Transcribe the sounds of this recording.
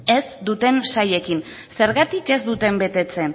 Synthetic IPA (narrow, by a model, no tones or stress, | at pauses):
e̞zd̪ut̪e̞nsaje̞kin | se̞ɾɣat̪ike̞zd̪ut̪e̞mbe̞t̪e̞t͡se̞n